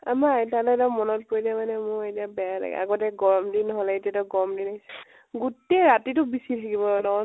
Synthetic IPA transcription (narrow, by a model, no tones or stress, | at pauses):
amatalɔtamɔnɔt̚poɹidɛmanɛmʊetiabɛjala̰ɡɛ̰a̰ɡɔtɛɡɔɹɔmdinɔɦɔlɛetiatɔɡɔɔmdinajs | ɡuteɹatitʊbisitʰakibɔnɔ